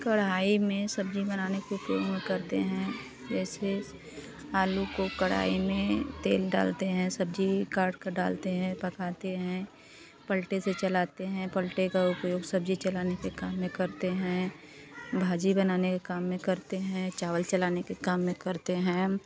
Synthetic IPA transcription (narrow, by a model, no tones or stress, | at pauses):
kɐɽaːimẽsɐbd͡ʒibɐnaːnekeʊpjo̰ːɡmẽkɐɾt̪eɦɛ̃ | d͡ʒɛːse | aːlukokɐɽ̤a̰ːimẽt̪ḛːlɖa̰ːlt̪eɦɛ̃sɐbd͡ʒikaːɾɖkaɖa̰ːlt̪eɦɛ̃pɐkaːt̪eɦɛ̃ | pəlʈeset͡ʃɐlaːt̪eɦɛ̃pəlʈekaʊpjoːɡsɐbd͡ʒit͡ʃɐlaːnekekaːmːẽkɐɾt̪eɦɛ̃ | bʱaːd͡ʒibənaːnekekaːmːẽkɐɾt̪eɦɛ̃t͡ʃaːʋəlt͡ʃɐlaːnekekaːmːẽkɐɾt̪eɦɛ̃ː